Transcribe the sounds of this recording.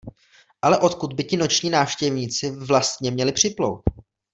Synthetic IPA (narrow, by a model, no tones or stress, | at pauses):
ʔalɛʔo̞t̪kud̪̚bɪcɪno̞t͡ʃɲiːnaːfʃcɛvɲiːt͡sɪvlast̪ɲɛmɲɛlɪpr̝̥ɪplo̰wt̪̚